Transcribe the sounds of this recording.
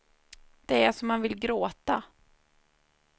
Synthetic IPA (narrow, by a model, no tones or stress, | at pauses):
d̪̥ɛæʂɔmːanvɪlɡɾoːt̪a